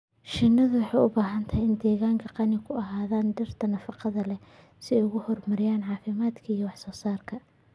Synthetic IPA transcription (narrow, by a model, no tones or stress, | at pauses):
ʃɪnːɐðʊwɑħɑjʊbaːɦɐnt̪ʰɐɦɛjɪnd̪ɛːɣaːŋkʰɐqɑnɪkʰʊɐɦaːðaːnɖɪrt̪ʰɐnɐfɑqɑðɐlɛ | sɪɛjʊɣʊhɔrmɐɾɪjaːnʕɑːfɪmaːd̪kʰɐijɐwɑħsɔːsaːrkʰɐ